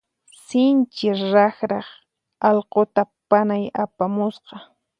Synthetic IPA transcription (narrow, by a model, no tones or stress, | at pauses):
sɪnt͡ʃɪɾɑχɾɑχ | ɑlqot̪apanajapamʊsqɑ